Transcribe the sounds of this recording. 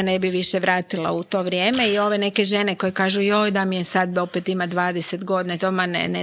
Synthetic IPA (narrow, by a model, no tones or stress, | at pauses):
nebiʋiʃeʋɾaːt̪ilˠa̰ut̪o̞ːʋɾʲjeːme̞io̞ʋe̞ne̞ke̞ʒe̞ne̞ko̞jekaːʒujo̞jd̪amijesad̪̚bo̞pet̪imad̪ʋaːd̪eset̪ɡo̞d̪inat̪omanḛn